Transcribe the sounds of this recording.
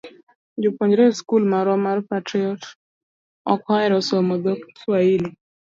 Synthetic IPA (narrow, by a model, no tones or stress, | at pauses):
d͡ʒopoɲd͡ʒɾeskulmaɾɔmarpatɾɪɔt | ɔ̰kɔɛɾɔsomɔd̪okswaili